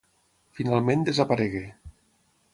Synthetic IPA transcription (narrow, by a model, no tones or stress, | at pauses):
finalˠmẽnd̪ezapaɾeɣe